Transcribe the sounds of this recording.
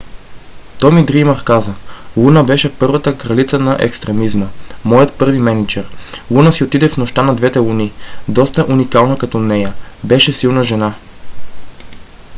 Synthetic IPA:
t̪ɔmid̪ɾimɐɾkazəlˠunəbɛʃɛpɤɾvɐt̪əkɾɐlit̪sənɐʔɛ̰kst̪ɾɛmizməmɔjət̪pɤɾvimɛnit͡ʃɛɾlˠunəsiot̪id̪ɛfnoʃt̪anɐd̪vɛt̪ɛlˠunid̪ɔst̪əʔunikalˠnəkɐt̪ɔnɛjəbɛʃɛsilˠnəʒɛna

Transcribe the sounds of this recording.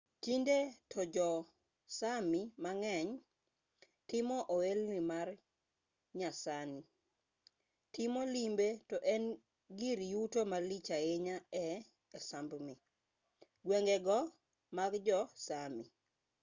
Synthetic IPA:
tindetʰɔd͡ʒɔ | samimaŋɛɲ | tɪmɔʔoelnimar | ɲasani | tɪmɔlimbetɔʔɛn | ɡiɾjutomalit͡ʃaeɲaɛ | ɛsambmi | ɡweŋɡɛɡɔ | maɡd͡ʒɔsami

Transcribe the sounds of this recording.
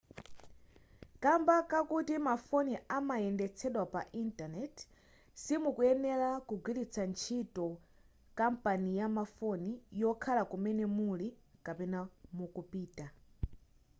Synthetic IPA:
kambakakutimafɔniamajɛndɛt͡sʰɛɗwapa̰ʔintanɛt | simukuɛnɛlakuɡwilit͡sʰant͡ʃʰitɔ | kampanijamafɔnijɔkʰalakumɛnɛmuli | kapɛnamukupiːta

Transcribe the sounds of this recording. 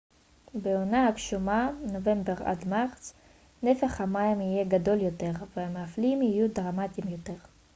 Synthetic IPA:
beonaakʃumanove̞mbeʁa̰d̪maʁt͡s | nefeχhamaimije̞ɡad̪o̞ljot̪e̞ʁveameaflimhijud̪ʁamat̪imjot̪e̞ʁ

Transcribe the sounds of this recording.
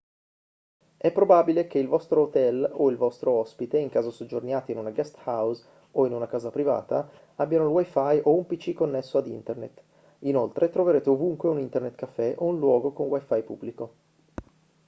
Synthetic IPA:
ɛpːɾobabilek̟eilvɔst̪ɾoːt̪ɛloilvɔst̪ɾoɔspit̪eiŋkaːzosod͡ʒornjaːt̪iinunaɡast̪haws | oinunakaːzapɾiva̰ːt̪a̰ | abːjanoulwajfajʔoumpit͡ʃikonːesːoad̪ḭnt̪ernet̪ | inolt̪ɾʔet̪ɾoveɾeːt̪eovuŋkweunint̪ernet̪kafːɛʔounlwɔːɡokonwajfajpṵbːliko

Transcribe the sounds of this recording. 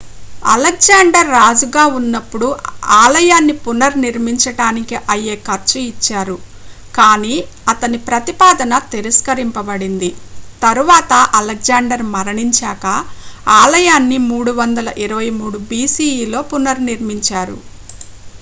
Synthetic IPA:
ɐ̰lek̚d͡ʒaːɳɖɐɾːaːd͡ʒuɡaːunːɐpːuɽuaːlɐjaːnːipunɐɾniɾmiɲt͡ʃɐɽaːnikiʔɐjeːkɐɾt͡ʃuit͡ʃːaːɾu | kaːniːɐt̪ɐnipɾɐt̪ipaːd̪ɐnɐt̪iɾɐskɐɾimpɐbɐɽind̪it̪ɐɾuʋaːt̪ɐʔɐlɐk̚d͡ʒaːɳɖɐɾmɐɾɐɳiɲt͡ʃaːkɐaːlɐjaːnːimuːɽuʋɐnd̪ɐlɐʔiɾɐʋɐjmuːɽubiːsiːiːlo̞ːpunɐɾniɾmiɲt͡ʃaːɾṵ

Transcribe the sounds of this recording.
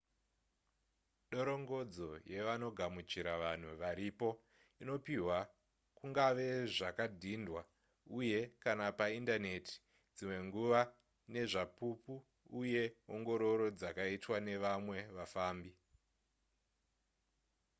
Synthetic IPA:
ɗo̞ɾo̞ŋɡo̞d͡zo̞je̞ʋano̞ɡʱamut͡ʃiɾaʋan̤uʋaɾipo̞ | ino̞piɦwa | kuŋɡaʋe̞ʐakadʱindwa | uje̞kanapaindane̞tʰi̥ | d͡zimwe̞ŋɡuʋa | ne̞ʐapupuː | je̞oŋɡo̞ɾo̞ɾo̞d͡zakaitwane̞ʋamwe̞ʋafaːmbi

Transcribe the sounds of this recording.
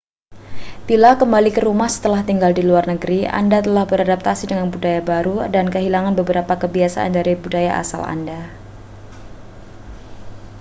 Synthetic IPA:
b̥ilakəmbalikəɾumahsə̥t̪əlaht̪iŋɡaldiluarnəɡəɾiʔa̰ndat̪əlahbəɾadap̚t̪asidəŋanbudajabaɾudankəɦilaŋanbəbəɾapakəbiasa̰ʔa̰ndaɾibudaja̰ʔa̰sa̰la̰nda

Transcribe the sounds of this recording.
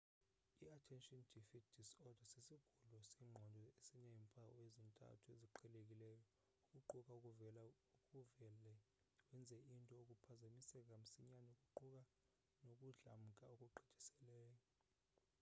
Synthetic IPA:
iatʰɛnʃʼɔnd̥ʱifit̚ʰd̥ʱisɔd̥ʱasisiɡ̥ʱulɔsiːŋ͡ǃʱɔndʱɔesinɛmpʰʼawezintʼa̰tʰueziǃʰɛlek̬ʼilɛːjɔ | ukʼuǃukʼaukʼuvɛla | ukʼuvɛlɛ | wɛnd͡zʱɛintʼɔokʼupʰazamisɛk̬ʼam̩siɲanɔukʼuǃuk̬ʼa | nokʼuɮa̰m̩kʼaokʼuǃi̥d̥ʰʱi̥sɛlɛːjɔ

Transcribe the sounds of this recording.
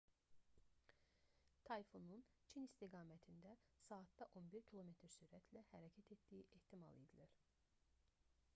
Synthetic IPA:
t̪ʰɑjfonun | t͡ʃʰinist̪iɡɑːmæt̪ʰind̪æsɑːt̪d̪ɑʔo̞nbiɾcʰilˠo̞me̞t̪ʰɾsyɾæt̪ʰlæhæɾɑcʰæt̪ʰet̪d̪ijiʔeht̪ʰimɑ̰lˠed̪ilæɾ̥

